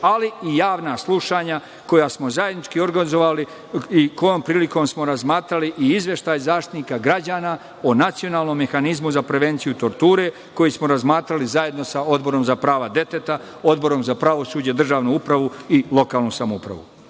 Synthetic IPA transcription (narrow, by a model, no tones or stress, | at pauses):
aliijaːʋnaslˠuʃaːɲa | ko̞jasmo̞zajed̪nit͡ʃkio̞ɾɡanizoʋali | iko̞jo̞ːmpɾiːliko̞ːmsmo̞ɾazmaːt̪ɾaliʔiizʋje̞ʃt̪aːjzaːʃt̪i̥t̪nikaɡɾad͡ʑaːna | onat̪sio̞naːlˠno̞mːe̞xanizmuzapɾe̞ʋe̞nt̪sijut̪o̞ɾt̪uːɾe̞ | ko̞jismoɾazmaːt̪ɾalizaje̞d̪no̞sao̞d̪bo̞ɾo̞mzapɾaːʋad̪e̞t̪et̪a | o̞d̪bo̞ɾo̞mzapɾaʋo̞suːd͡ʑed̪r̩ʒaːʋnuupɾaʋuilˠo̞kaːlnusamoupɾa̰ʋṵ